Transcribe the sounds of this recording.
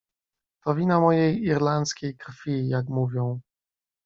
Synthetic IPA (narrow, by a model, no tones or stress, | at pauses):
t̪ɔvʲinamɔjejiɾlant̪skʲejkɾfʲijakmuvʲjɔ̃w̃